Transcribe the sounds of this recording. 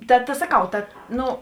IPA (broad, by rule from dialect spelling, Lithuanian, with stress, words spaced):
ˈtɐ tɐ sɐˈkɐʊ ˈtɐt ˈnʊ